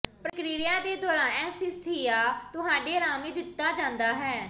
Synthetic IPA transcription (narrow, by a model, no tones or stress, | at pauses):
pɾəkɾiːɪjãːd̪eːd̪ɔːɾãːɛːsɪst̪ʰiːaːt̪ʊɦaːɖeːɾaːmiːd̪ɪt̪ːaːd͡ʒãːnd̪aːɦɛː